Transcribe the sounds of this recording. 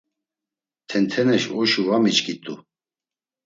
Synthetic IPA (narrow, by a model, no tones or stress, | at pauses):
t̪ʰɛnt̪ʰɛnɛʃɔʃuvamit͡ʃkit̪ʼu